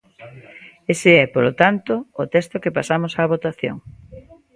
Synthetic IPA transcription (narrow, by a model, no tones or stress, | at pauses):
eseɛpolot̪ant̪oːt̪ɛst̪okepasamosaːβ̞ot̪aθjo̰ŋ